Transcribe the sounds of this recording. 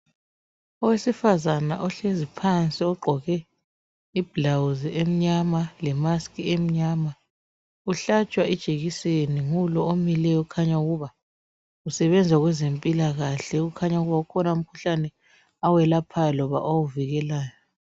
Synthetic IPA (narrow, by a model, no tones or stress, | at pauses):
ɔwesifazana̰ʔɔɬezipʰant͡sʼiɔɡ͡ǃʱɔɣɛ | ib̥lawuziem̩ɲamalɛmaskʼiem̩ɲama | uɬat͡ʃʼwaɛd̥ʒ̥ʱeɣiseniŋulɔomilɛjɔukʰaɲauɣuβa | usɛβɛnd͡zʱwaɣwɛzempʼilaɣaɬɛɣukʰaɲauɣuβaukʰɔnaum̩kʰu̥ɬanɛ | awɛlapʰajlɔβa̰ʔowuviɣɛlaːjɔ